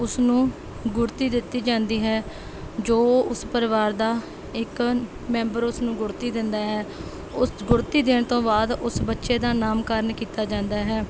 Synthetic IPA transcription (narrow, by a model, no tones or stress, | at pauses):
ʊsnũː | ɡʊɾt̪iːd̪ɪt̪ːiːd͡ʒãːnd̪iːɦɛː | d͡ʒoːʊspəɾɪʋaːɾd̪aː | ɪk | mɛ̃ːmbəɾʊsnũːɡʊɾt̪iːd̪ɪnd̪aːɦɛː | ʊsɡʊɾt̪iːd̪ɪːɳt̪õːbaːd̪ʊsbətːʃeːd̪aːnaːmkəɾnkiːt̪aːd͡ʒãːnd̪aːɦɛː